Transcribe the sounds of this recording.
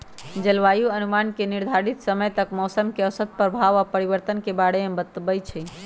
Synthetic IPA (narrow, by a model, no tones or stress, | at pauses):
d͡ʒəlʋajuənumankeniɾd̪ʱaɾit̪səməjt̪əkmɔsəmkeəsət̪̚pəɾbʱaʋapəɾiʋəɾt̪ənkebaɽemebət̪ːbəjt͡ʃʰɛ